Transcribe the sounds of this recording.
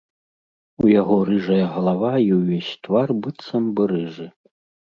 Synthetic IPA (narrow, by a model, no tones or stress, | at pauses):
ujaɣɔɾɨʐɐjɐɣɐlˠavaiwvʲesʲt̪varbɨt̪sɐmbɨɾɨʐɨ